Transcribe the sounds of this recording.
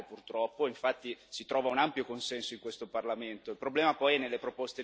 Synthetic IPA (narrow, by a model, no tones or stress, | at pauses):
epurt̪ɾɔpːoiɱfat̪ːisit̪ɾɔːvaunampjokonsɛnsoiŋkwest̪oparlament̪oilpɾoblɛːmapɔjɛnːelːepɾopost̪e